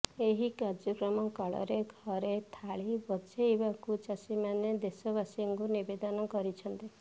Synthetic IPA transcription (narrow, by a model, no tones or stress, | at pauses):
eɦikaɾd͡ʒɔkɾɔmɔkɔɭɔ̰ɾeɡʱɔɾet̪ʰaɭibɔt͡ʃeebakut͡ʃasimaned̪esɔβasiŋkunibed̪ɔnɔkɔɾit͡ʃʰɔnt̪i